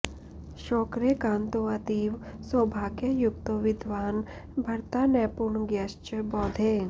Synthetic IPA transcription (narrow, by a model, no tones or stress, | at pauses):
ʃɔːkɾekãːnt̪oɐt̪iːʋsoːbʱaːkejʊkt̪oʋɪd̪ʱʋaːnbʱɐɾt̪anɛpuɾɳɡɐst͡ʃəbɔːd̪ʱeː